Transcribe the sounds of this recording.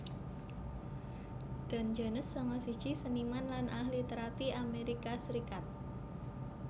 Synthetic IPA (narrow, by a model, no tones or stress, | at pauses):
d̪̥a̤nd͡ʒanəsːamasi̥d͡ʒ̥isənimanlanʔahlit̪əɾapiameɾikasəɾikat̪̚